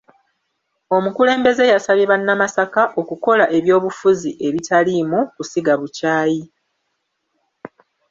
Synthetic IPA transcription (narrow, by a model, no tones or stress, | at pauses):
o̞mukule̞ːmbe̞ze̞jasaβjeβanːamasakaʔo̞kuko̞laʔe̞βjo̞ːβufuziʔe̞βitalimukusiɡaβucaːji